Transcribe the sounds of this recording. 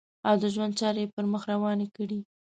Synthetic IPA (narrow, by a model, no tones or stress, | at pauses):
awd̪əʒwand̪̚t͡ʃɑɾejepəɾməxɾawɑnekəɽi